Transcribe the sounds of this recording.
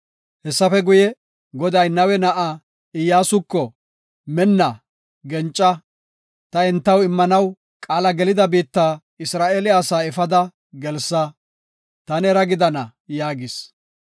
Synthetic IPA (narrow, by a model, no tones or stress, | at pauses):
hɛsːɐfɛɡʊjɛ | ɡɔd̪ɐjnɐwɛnɐʔa | ɪjaːsʊkːɔ | mɛnːɐ | ɡɛnt͡ʃʼːɐ | t̪ɐɛnt̪ːɐwɪmːɐnɐw | kʼaːlɐɡɛlɪd̪ɐbiːt̪ːaː | ɪsɾaːʔeːlɪaːsaːɛfɐd̪ɐ | ɡɛlsːɐ | t̪ɐnɛɾɐɡɪd̪ɐnɐjaːɡɪs